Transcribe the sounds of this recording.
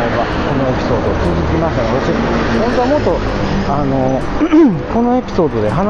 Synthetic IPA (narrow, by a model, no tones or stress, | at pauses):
aba | ko̞no̞e̞pʲi̥so̞ːd̪o̞ːt͡sɨzɨkʲimaɕt̪aot̪oɕi | hõnt̪o̞amo̞t̪ːo̞ | ano̞ | ko̞no̞e̞pʲi̥so̞ːd̪o̞d̪e̞ɦan